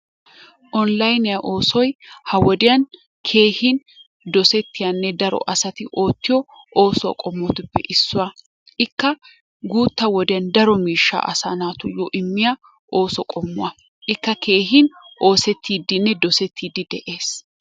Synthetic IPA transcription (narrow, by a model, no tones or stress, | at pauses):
ʔɔnlɐjnɪjɐʔo̞ːsɔjhɐwɔd̪ɪjɐn | kʰe̞ːhɪn | d̪ɔsɛt̪ːɪjɐnːɛd̪ɐɾɔ̰ʔɐsɐt̪ɪʔo̞ːt̪ːɪjɔ | ʔo̞ːsʊwɐ̰kʼɔmːɔt̪ɪpːɛ̰ʔɪsːʊwɐ | ʔɪkːɐ | ɡuːt̪ːɐwɔd̪ɪjɐnd̪ɐɾɔmiːʃːa̰ːʔɐ̰sa̰ːnaːt̪ʊjɔʔɪmːɪja | ʔo̞ːsɔkʼɔmːʊwɐ | ʔɪkːɐkʰe̞ːɦɪnʔo̞ːsɛt̪ːiːd̪ɪnːɛd̪ɔsɛt̪ʰːiːd̪ɪd̪ɛʔe̞ːs